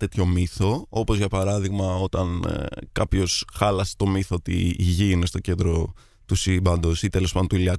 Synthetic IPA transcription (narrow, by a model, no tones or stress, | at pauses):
t̪e̞t̪ço̞miθo̞o̞pozʝɐpɐɾɐðiɣmɐo̞t̪ɐnkɐpço̞sxɐlɐse̥t̪o̞miθoot̪ḭːʝinest̪o̞ce̞nd̪ɾo̞ | t̪usibɐnd̪osit̪e̞lo̞spɐðot̪uiliɐk